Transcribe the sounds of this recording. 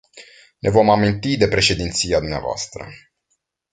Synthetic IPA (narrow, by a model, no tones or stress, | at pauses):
nʔe̞vo̞mamint̪id̪e̞pɾe̞ʃe̞d̪int̪sijad̪umnea̰voa̰st̪ɾə̰